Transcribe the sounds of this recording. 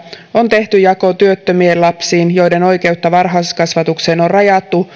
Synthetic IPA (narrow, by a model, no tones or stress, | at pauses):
o̞nt̪e̞ht̪yjɑko̞t̪yøt̪ːømielɑpsiːnjo̞jde̞no̞jke̞ut̪ːɑʋɑrɦɑskɑsʋɑt̪ukse̞ːnorrɑjɑt̪ːu